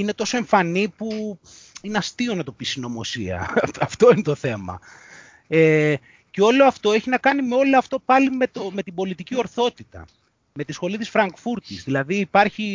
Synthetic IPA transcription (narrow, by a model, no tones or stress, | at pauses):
ine̞t̪o̞soe̞ɱfɐnipu | ineɐst̪io̞nɐt̪o̞pisino̞mo̞siɐ̰ɐft̪o̞inet̪o̞θe̞mɐ̰ | e | ce̞o̞loɐft̪o̞e̞çinɐkɐnime̞o̞loɐft̪o̞pɐlime̞t̪ome̞t̪ibo̞lit̪icio̞ɾθo̞t̪it̪ɐ̰ | met̪isxo̞lit̪isfɾɐŋɡfuɾt̪izðilɐðiːpɐɾçi